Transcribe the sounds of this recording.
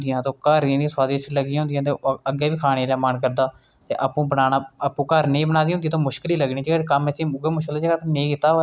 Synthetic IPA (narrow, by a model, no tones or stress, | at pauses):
d̪ɪjãːt̪õːkəɾ̃ːnĩswaːd̪ɪʃləɡijãɦʊ̃nd̪jãːt̪eəɡeːʋiːkʰaːɽ̃eːlaːmənkəɾd̪aː | t̪ḛːʔəpũːbənaːnaːəpũːkəɾneːbənaːd̪iːɦʊ̃nd̪iat̪õːmʊʃkɪliːləɡnĩːd͡ʒkəmɛsĩːɡeːmʊʃkəlːd͡ʒeɡəpːnẽːkɪt̪ːaː